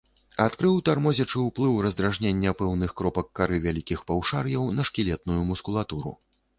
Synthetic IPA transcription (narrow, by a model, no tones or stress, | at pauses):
at̪kɾɨwt̪armɔzʲɛt͡ʂɨwplˠɨwɾɐzd̪ɾaʐnʲenʲːɐpɛwnɨxkɾɔpɐkːaɾɨvʲalʲikʲixpawʂarjɐwnɐʂkʲilʲɛt̪̚nujumuskulˠat̪uɾṵ